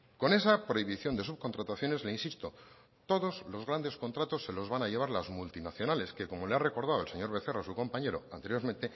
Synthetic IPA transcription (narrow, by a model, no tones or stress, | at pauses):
ko̞ne̞sapɾo̞iβiθjo̞nd̪e̞suβ̚ko̞nt̪ɾat̪aθjo̞ne̞zleinsist̪o | t̪o̞ðo̞zlo̞zɣɾand̪e̞sko̞nt̪ɾat̪o̞sːe̞lo̞zβanaʝe̞β̞aɾlazmult̪inaθjonale̞ske̞ko̞mo̞leare̞ko̞ɾð̞aoelse̞ɲo̞ɾβe̞θe̞rasuko̞mpaɲe̞ɾo̞a̰nt̪e̞ɾjo̞ɾmẽnt̪e̞